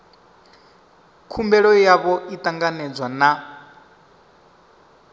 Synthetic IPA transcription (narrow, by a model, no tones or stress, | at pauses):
kʰumbɛɺɔjaβɔit̪ʼaŋɡanɛd͡zwana